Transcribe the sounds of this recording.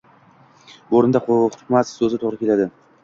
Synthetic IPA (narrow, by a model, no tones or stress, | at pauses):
oɾɪnd̪aχχʊ̥t̪mat̪sɵzɪt̪ʰoʁɾɪkʲe̞lad̪ɪ